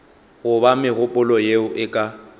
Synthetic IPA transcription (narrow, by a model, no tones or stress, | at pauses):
ɣʊbamɪɣʊpʼʊlɔjeʊʔɪkʼa